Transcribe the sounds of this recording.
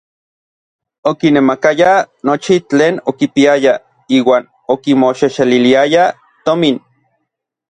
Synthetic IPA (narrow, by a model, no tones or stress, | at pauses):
okinemakajanot͡ʃit͡ɬeːnokipiaja | iːwaːn | okimoʃeʃeliliaja | t̪omin